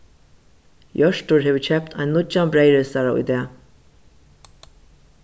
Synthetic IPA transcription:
jœʃʈʊɹheːʋət͡ʃʰɛp̚t̪ʰa̰ɪnlʊt͡ʃanbɹeɪɹɪsaɹaʊ̰jd̪ɛː

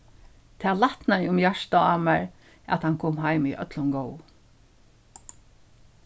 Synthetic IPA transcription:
t̪ʰɛːlaht̪naʊmjaʂt̪aaːmæɹ | æ̰t̪hankʰoːmɦajmiʔœ̰t̪lʊnɡɔw

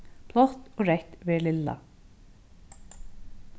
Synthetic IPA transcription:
pʰlɔt̪ɔːɾɛht̪vɛːlɪlːa̰

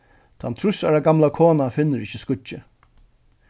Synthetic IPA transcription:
t̪ʰant̪ʰɾʊsa̰ɹaɡamlakʰoːnafɪnːɪɾɪçːɪskʊt͡ʃːɪ

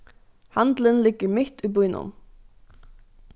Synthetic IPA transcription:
hant̪lənlɪɡːəmɪht̪ujbujnʊ̰n

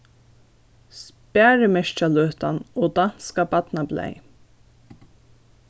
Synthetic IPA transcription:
spæːɹəmɛʃt͡ʃaløːt̪a̰nɔːd̪an̥skabat̪nablɛ̰j

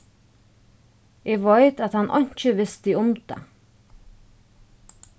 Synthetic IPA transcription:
eːʋɑɪt̪ɑt̪hɑnʔɔ̰ɲc͡çəʋɪst̪iʊmd̪̥ḛ

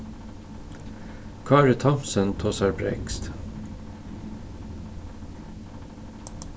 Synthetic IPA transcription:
kʰɑːɾət̪ʰɑmsənt̪ʰɔsɑɹbɾɛ̰kst̪

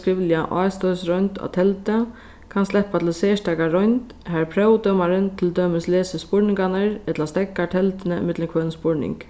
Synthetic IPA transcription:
skɾɪʋljaʔɔ̰ːjst̪ɔʏsɾɔjnt̪a̰t̪ʰɛlt̪ə | kʰanst̪lɛhpat̪ʰɪlsɛːʂtakaɾɔjnt̪ | ɦɛɹpʰɾœwd̪œːmaɾɪnt̪ʰɪld̪œːmɪslɛːsɪspɔɹnɪŋkanaɾɛt̪last̪ɛkːat̪ʰɛlt̪ɪnəɪ̰mɪt̪ləkʰvœːnspɔɹnɪ̰ŋk

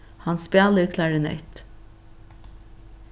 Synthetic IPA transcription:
hɑnspjɑːləɾkʰlɑɖɪnɛ̰ɪt̪

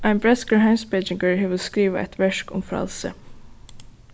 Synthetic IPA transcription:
ʔaɪnbɹɛskəɹɦaɪmsbɛt͡ʃɪŋkəɹɦeːʋəɾskɾiːʋɪɛ̰t̪ʰʋɛʂkʊ̰mfɾa̰lsə̰

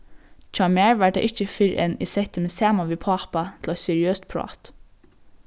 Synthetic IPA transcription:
t͡ʃɑmæːɹʋæɖḛːʔɪçəfɪɾḛnḭsɛt̪əmeːsæːmɑʋiːpʰɑːpɑt̪ʰlɑsɛɹɪøːst̪̚pʰɹʊɑ̰ːt̪

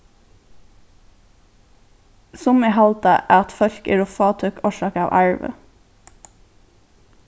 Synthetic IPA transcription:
sʊmehɑlt̪əʔæːɑt̪fœɾkɪ̰ːɾʊfɑːt̪ʰœkɔʃɑːkɑːʋʔæɹʋə̰

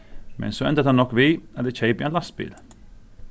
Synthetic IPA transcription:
mɛ̰nsɔɛnt̪ət̪hanːɔkːʋiɐt̪ɛt͡ʃʰeɪpiɛnlast̪bḭːl

